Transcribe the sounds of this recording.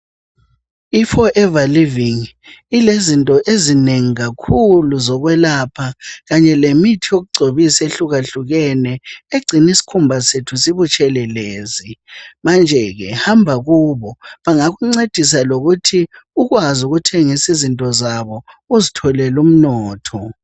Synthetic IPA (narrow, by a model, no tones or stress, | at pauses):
ifɔʔɛvaliviŋ | ilezintʼɔʔezineŋiɣakʰuluzɔɣwɛlaːpʰaɣaɲɛlemitʰijoɣuɡ͡ǀʱoβiseɬuɣaɬuɣɛnɛeɡ͡ǀʱinisi̥kʰumbʱasetʰusiβut͡ʃʼɛlɛleːzimand͡ʒʱɛɣɛ̰hambʱaɣuːβɔβaŋaɣuŋ͡ǀed̥ʱis̬aloɣutʰi | uɣwazuɣutʰɛŋisizintʼɔzaβɔ | uzitʰɔlɛlum̩nɔːtʰɔ